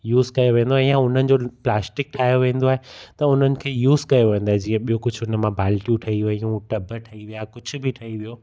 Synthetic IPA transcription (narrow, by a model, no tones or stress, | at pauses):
juːzkɐjoʋẽːn̆d̪oaːɦejãʊn̤ənɪ̆d͡ʑoplaːsʈɪk̚ʈʰaːijoʋẽːn̆d̪oaːɦet̪ɐʊn̤ənɪ̆kʰeːjuːzkɐjoʋẽːnd̪oːɦed͡ʑĩːə̃ɓijokʊd͡ʑʱʊnə̆mãbʱaːlʈjũʈʰɐɦiʋɐɦiũʈɐbʱəʈʰɐɦiʋijakʊd͡ʑʱʊ̆bʱɪʈʰɐɦiʋijo